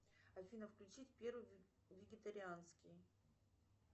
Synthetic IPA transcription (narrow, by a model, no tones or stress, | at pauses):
ɐfʲinəfklʲʉt͡ɕit̪ʲpʲeɾvɨj | vʲɪɡʲɪt̪əɾʲɪanskʲɪj